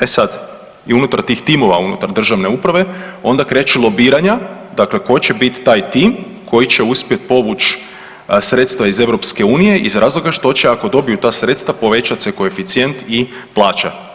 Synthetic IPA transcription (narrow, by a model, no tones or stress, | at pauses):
esad̪ | iunut̪aɾt̪iːxt̪imo̞ʋaunṵt̪aɾd̪r̩ʒaʋne̞upɾaʋe̞o̞nd̪akɾe̞ːt͡ɕilˠo̞biːɾaɲad̪akle̞ko̞jt͡ɕe̞bit̪ːaːjt̪iːm | kʰo̞jit͡ɕe̞uspijet̪̚po̞ʋut͡ʃ | sɾeːt̪st̪ʋaize̞ʋɾo̞pske̞uːnije̞ʔḭzɾʔaːzlˠo̞ɡaʃt̪o̞t͡ɕeako̞d̪o̞bijut̪aːsɾe̞t̪st̪ʋapo̞ʋe̞t͡ʃat̪seko̞efit̪sije̞nt̪i | plˠaːt͡ʃa̰